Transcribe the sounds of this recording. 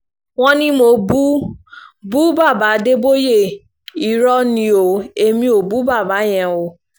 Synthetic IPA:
w̃ɔ̃˦nĩ˦mo˨bu˦ | bu˦ba˦˨ba˨˦de˦bo˦je˦˨ | i˨ɾɔ˧nĩ˨˦o˨e˨mĩ˦o˨bu˨˦ba˦˨ba˨˦j̃ɛ̃˨o˨

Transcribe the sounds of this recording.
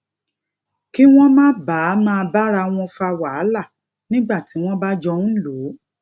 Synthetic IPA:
ki˦w̃ɔ̃˦mã˦ba˨˦mãː˦˧ba˦ɾa˧w̃ɔ̃˧fa˧wa˨a˦la˦˨ | nĩ˦ɡ͡ba˦˨ti˨˦w̃ɔ̃˦ba˦d͡ʒɔ˧nũ˦lo˨˦

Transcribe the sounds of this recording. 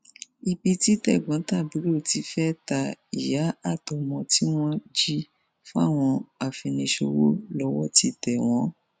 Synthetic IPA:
i˧bi˧ti˦tɛ˦˨ɡ͡bɔ̃˨˦ta˦˨bi˨˦ɾo˦˨ti˨˧˦fɛ˦ta˧i˨ja˨˦a˦˨to˧mɔ̃˧ti˦w̃ɔ̃˦d͡ʒi˦ | fũ˦a̰˦˨w̃ɔ̃˧a˨fĩ˧nĩ˧ʃo̰˧wo˦lɔ˨˦wɔ˦ti˦tɛ˨w̃ɔ̃˨˦

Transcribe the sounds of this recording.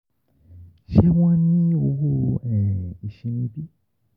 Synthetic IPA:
ʃe˦w̃ã˦nĩ˦o˧ɦo˦˨ɛ̃˨i˨ʃĩ˧nĩ˧˦bi˦

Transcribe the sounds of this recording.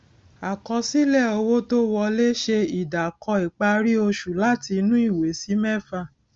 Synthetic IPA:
a˨kɔ˧si˦lɛ˦˨o˧wo˦to˦wɔ˧le˦ʃe˧i˨da˨kɔ˧i˨k͡pa˧ɾi˦o˧ʃu˨la˦ti˧nũ˦i˦˨we˨˦si˨˦mɛ˦˨fa˧˨

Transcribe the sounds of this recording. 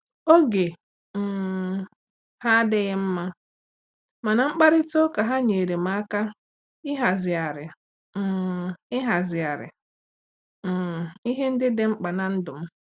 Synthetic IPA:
o˦ɡe˨ | ha˦dɪ˦ɣɪ˦m̩˦ma˦ | ma˨na˨ŋ͡m̩˦k͡pa˦ɾɪ˦to˦ka˨ɦa˦ɲe˨ɾe˨m˦a˦ka˦ | ɪ˦ɦa˨zɪ˨a˨ɾɪ˨ | ɪ˦ɦa˨zɪ˨a˨ɾɪ̰˨ | i˦ɦe˦n̩˦dɪ˦dɪ˦ŋ͡m̩˦k͡pa˨na˨n̩˦dʊ˨m̩˦

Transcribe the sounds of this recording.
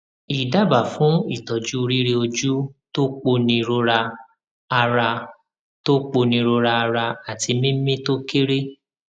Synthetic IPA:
i˨da˦˨ba˨fũ˨˦i˦˨tɔ˨d͡ʒu˦˧ɾi˦ɾe˦o˧d͡ʒu˦to˦k͡po˧nĩ˧ɾo˧ɾa˧ | a˧ɾa˧ | to˦k͡po˧nĩ˧ɾo˧ɾa˧a˧ɾa˧a˨ti˧mĩ˦mĩ˦to˦ke˦ɾe˦

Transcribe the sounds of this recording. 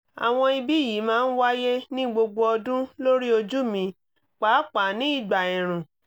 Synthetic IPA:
a̰˨w̃ɔ̃˧i˧bi˦˨ji˨˦mãː˦˧n̩˦wa˦je˦nĩ˦ɡ͡bo˧ɡ͡bo˧ɔ˧dũ˦lo˦ɾi˦o˧d͡ʒu˦mĩ˧˦ | k͡paː˨˦k͡pa˨nĩ˦i˦˨ɡ͡ba˨ɛ̃˨ɾ̃ũ˨

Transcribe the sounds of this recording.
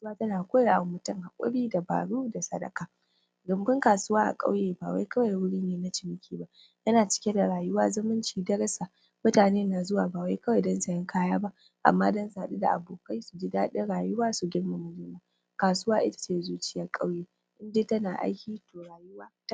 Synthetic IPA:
a˨swaː˦tɐ˦naː˨kʷoː˦ja˨wmːʊ˦tɐ˦ŋha˨kʷʼʊ̰˦ɽiː˦da˨ba̰ː˨ɽuː˦da˨sɐ˦dɐ̰˨kaː˨ | ɡʊ˨mbɪ˦ŋkaː˨sʊ˦waː˦ʔa̰˨kʼa̰˦wjeː˨baː˨wa̰˦jkɐ˦wa˨jwʊ˦ɽiː˦neː˨na˦t͡ʃɪ˨mɪ˦kʲiː˦˨ba˦ʔ | jɐ˦naː˨t͡ʃɪ̥˦kʲe˦da˨ɽaː˨jʊ˦waː˦zʊ˦mɪ˦nt͡ʃiː˨dɐ˦ɾɐ˦sa˨ | mʊ˦taː˨neː˦naː˨zʊ˦waː˨baː˨wa˦jkɐ˦wa˨jdɐ˦nsɐ˨jɪ˦ŋkaː˦jaː˦ba˦ʔ | ʔa̰˨mːaː˦dɐ˦nsa˨ɗi˦da̰˨ʔa̰˨boː˨ka˦jsu˨d͡ʒɪ˦daː˦ɗe˦ɽaː˨jʊ˦waː˦su˨ɡʲɪ˦ɽma˨mʊ˨lɪ˦maː˨ | kaː˨sʊ˦waː˦ʔɪ˦tḁ˨t͡ʃeː˦˨zuː˦t͡ʃɪ˦jɐ˦rkʼa˦wjeː˨ | ʔɪ˦nde˦tɐ˦naː˨ʔa̰˦jkʲiː˦toː˨ɽaː˨jʊ˦waː˦ta˦

